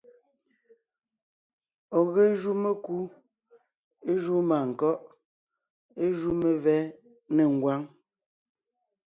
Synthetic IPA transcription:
ɔ˨ɣe˦ʒu˦me˦ku˦ | e˦ʒu˦maː˨ŋ̩˨kɔ˦ʔ | e˦ʒu˦me˨vɛː˦ | ne˨ŋ̩˨ɡwa˦ŋ

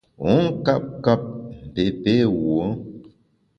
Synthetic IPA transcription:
o˨˦ŋ˦ka˦p̚ka˦p̚m̩˨be˨pe˦wo˨˦

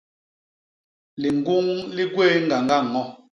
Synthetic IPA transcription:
li˨ŋ˦ɡu˦ŋli˦ɡwe˦ŋɡa˨ŋɡa˦˨ŋɔ˦

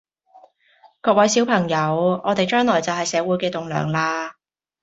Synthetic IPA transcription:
kɔː˧k̚wɐ˨˥jsi˨˥wpʰɐ˨˩ŋjɐ˨˧wɔː˨˧t̪e˨jt͡ʃœː˥ŋlɔː˨˩jt͡sɐ˨wɦɐ˨jsɛː˨˧˥wuː˨˥jkɛː˧t̪ʊ˨ŋlœ̰ː˨˩ŋlaː˧

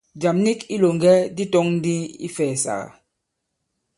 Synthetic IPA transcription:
d͡ʒa˨mni˦ki˦lo˨ŋ˨ɡɛ˦di˦tɔ˦ŋn̩˦di˦ḭ˦fɛː˨sa̰˨ɣa̰˨

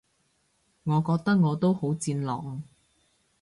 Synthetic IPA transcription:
ŋɔː˨˧kɔː˧k̚t̪ɐ˥k̚ŋɔː˨˧t̪o˥who˨˥wt͡siː˧nlɔ̰ː˨ŋ

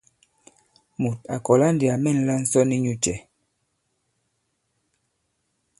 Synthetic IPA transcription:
mu˨ta̰˨kɔ˨la˦n˦di˨a˨mɛ˦˨n̩˦la˦n̩˦sɔ˦ni˦ɲu˦t͡ʃɛ˨

